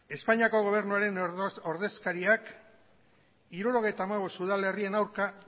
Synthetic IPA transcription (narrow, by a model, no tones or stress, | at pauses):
e̞spaɲiako̞ɣ̞o̞β̞e̞ɾnuaɾe̞no̞ɾðe̞skaɾiak | iɾuɾo̞ɣe̞jt̪aːmaβ̞o̞suð̞ale̞rie̞nawɾka